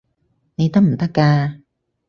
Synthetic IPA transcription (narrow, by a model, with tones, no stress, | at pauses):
ni˧t̪a˦˥m̩˨˩t̪a˦˥kaː˧